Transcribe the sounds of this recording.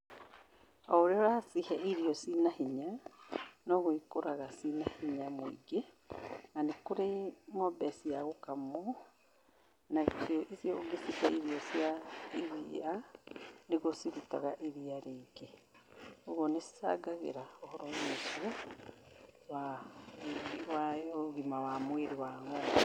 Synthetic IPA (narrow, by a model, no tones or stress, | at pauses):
ɔoɾeɔɾasihɛiɾiɔsinahiɲa | nɔɣoikoɾaɣasinahiɲamoḭɡe | nanekoɾemɔbɛsiaɣokamɔ | naɣsjɔʔisjɔoɡesihɛiɾiɔsjaeɾia | neɣosiɾita̰ɣaʔeɾiaɾeːɡe | oɣɔnesa̰ɡaɣḛɾaɔhɔɾɔɲesiɔ | wa | waɣimawamweɾewaːmo